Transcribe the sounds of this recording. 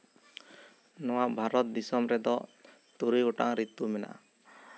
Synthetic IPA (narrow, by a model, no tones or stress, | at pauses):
nɔwaʔbʱaɾɔt̪̚d̪isɔmɾɛd̪ɔ | t̪uɾiɡuʈa̰ŋɾit̪umɛna̰ʔ